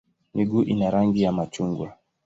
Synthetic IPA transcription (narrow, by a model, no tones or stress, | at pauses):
miɡuʔinaɾaŋɡijamat͡ʃuŋɡwa